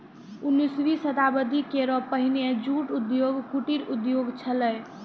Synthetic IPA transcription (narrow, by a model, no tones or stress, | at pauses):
unːisʋisət̪abəd̪ʱikeɾɔpəɦined͡ʒuʈud̪joɡkuʈiɾud̪joɡt͡ʃʰələj